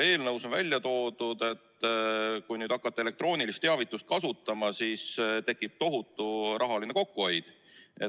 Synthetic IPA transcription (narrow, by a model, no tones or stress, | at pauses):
e̞ːlnɤwso̞nvæ̰lʲjɑt̪o̞ːd̪ud̪e̞t̪ˑːkujnyːd̪ɑkˑːɑt̪ːeele̞k̚t̪ro̞ːnilist̪ːeɑvit̪ːˑust̪̚kɑsut̪ˑːɑmɑsiːst̪e̞kːˑib̥̚t̪o̞ɦut̪ːˑuɾʔɑɦɑline̞ko̞kːuo̞jd̪̥ | e